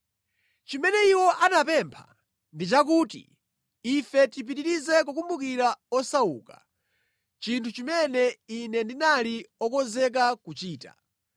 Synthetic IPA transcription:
t͡ʃimɛnɛiwɔʔanapɛmpʰa̰ | ndit͡ʃak̬uːtḭː | fɛtip̬itiɾizɛk̬uk̬umbukiɾaɔsaṵːka̰ | t͡ʃintʰut͡ʃimɛnɛinɛndinaliɔkɔzɛk̬akut͡ʃiːta̰

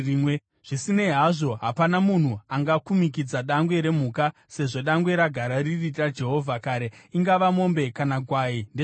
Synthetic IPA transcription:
we | ʐ̥isine̞ɦaʐo̞ɦapanamun̤uaŋɡakumik̬id͡zaɗaŋɡwe̞ɾe̞m̤uːka | se̞ʐo̞ɗaŋɡwe̞ɾaɡʱaɾaririad͡ʒe̞ɦo̞vʱakaɾe̞iŋɡaʋamo̞mbe̞kanakwaːinde

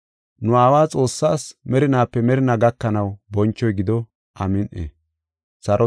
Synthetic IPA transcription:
nʊaːwaːt͡sʼo̞ːsːaːsmɛɾɪnaːpːɛmɛɾɪnaɡɐkːɐnɐwbɔnt͡ʃːɔjɡɪd̪ɔ | ʔɐmɪnʔḛː | sɐɾɔ

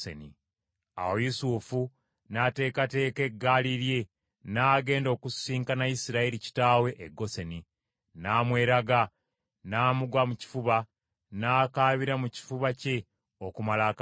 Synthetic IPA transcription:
ḛni | a̰wojusuːfu | nate̞ːkate̞ːke̞ɡːaːliɾje̞ | naːɡe̞ːndo̞ːkusiːŋkanajisiɾaeɾici̥taːwe̞ʔeɡːo̞seni | naːmwe̞ːɾaɡa | naːmuɡwamuci̥fuβa | naːkaːβiɾamuci̥fuβace̞ | o̞kumalaka

